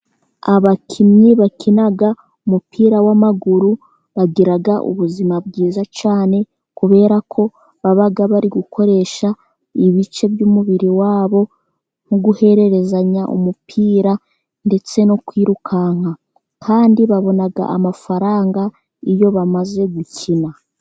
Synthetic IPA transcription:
aβakʰimɲiβakʰinaɡa | umupʰiːɾawamaɡuɾu | βaɡiɾaɡaʔṵβuzimabɡiːzat͡ʃaːne̞ | kuβe̞ːɾakʰo̞ | βaβaɡaβaɾiɡukʰo̞ɾe̞ʃa | iβit͡ʃe̞βjuːmuβiɾiwaːβo̞ | ŋ̥uɡuhe̞ɾe̞ɾe̞zaɲaʔṵmupʰiːɾa | nde̞t͡se̞nokwiːɾukʰaŋ̥a | kʰaːndiβaβo̞naɡa̰ʔa̰mafaɾaːŋɡa | ijo̞βamaze̞ɡucʰina

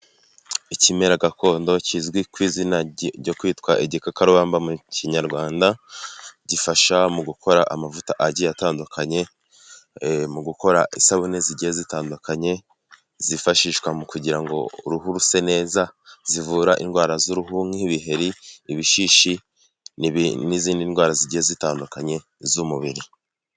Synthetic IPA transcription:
icime̞ɾaɡako̞ːndo̞cizɡwikwiːzinaɟo̞kwiːtkwaʔeɟikakaɾoβaːmbamuciɲaɾɡwaːnda | ɟifaʃamuɡukʰo̞ɾaʔamavutaʔaɟijataːndukʰaɲe̞ | muɡuko̞ɾaʔisaβuneziɟijezitaːndukʰaɲe̞ | zifaʃiʃkwamukuɟiɾaŋɡo̞̰ɾuhuɾuse̞ne̞ːzazivuːɾaʔḭnɡwaːɾazuɾuɦuŋiiβiɦe̞ɾiːβiʃiːʃi | niziːndinɡwaːɾaziɟihezitaːndukaɲe̞ | zumuβiɾi

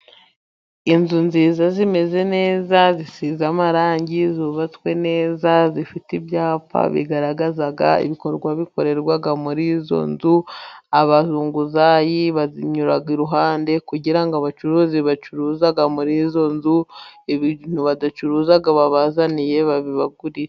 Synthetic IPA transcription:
inzunziːzazime̞ze̞ne̞ːzazisiːzamaɾaːɲɟizuβat͡swe̞ne̞ːzazifitibjaːpa̰βḭɡaɾaɡazaɡa̰ḭβiko̞ɾɡwaβiko̞ɾe̞ɾɡwaɡamuɾizo̞̰nzuaβazuːŋɡuzajiβaziɲuɾaɡiɾuɦaːnde̞kuɟiɾaŋɡaβat͡ʃuɾuːziβat͡ʃuɾuzaɡamuɾizo̞nzueβin̥uβadat͡ʃuɾuːzaɡaβaβazanije̞βaβiβaɡuɾie

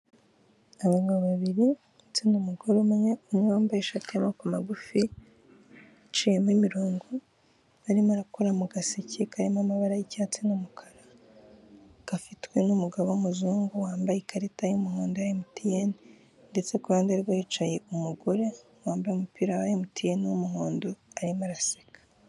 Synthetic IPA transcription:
aβaɡaβaβiɾi | t͡sinumuɡoɾemeɲeumŋaːmbajeʃatjamakomaɡufi | t͡ʃijemimiɾoːŋɡo | aɾimaɾakoɾamuɡasicʰekʰaɾimamaβaɾajicat͡sinumukʰḁɾa | kafitwe̞numuɡaβomuzuːŋɡowaːmbajekaɾetajumuhoːndoajimutijeni | nde̞t͡sekuβaːndiaɾiɡwait͡ʃaje̞umuɡo̞ɾe̞ | waːmbajeumupiːɾawajemutijeniomuɦoːndoaɾimaɾase̥kḁ

